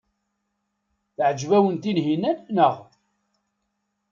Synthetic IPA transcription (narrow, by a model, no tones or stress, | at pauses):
θʕəd͡ʒvæwənt̪inɦinænnəʁ